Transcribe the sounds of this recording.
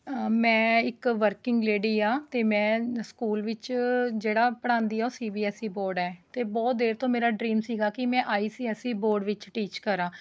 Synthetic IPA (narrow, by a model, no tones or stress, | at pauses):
mɛ̃ːɪkʋəɾkɪŋɡleːɽiːaːt̪eːmɛ̃ːskuːlʋɪt͡ʃd͡ʒeːɽaːpəɽ̃ãːnd̪iːɛːoːsiːbiːɛsiːboːɾɖɛːt̪eːbɔːt̪̚d̪eːɾt̪õːmeːɾaːɖɾiːmsiːɡaːkɪmɛ̃ːʔaːiːsiːɛsiːboːɾɖʋɪt͡ʃʈiːt͡ʃkəɾãː